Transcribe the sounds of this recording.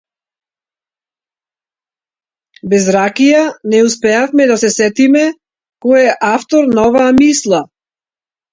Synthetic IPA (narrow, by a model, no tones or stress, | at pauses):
bɛzɾakijanɛuspɛafmɛd̪asɛsɛt̪imɛ | kɔɛʔaft̪ɔɾnaɔvaːmislˠa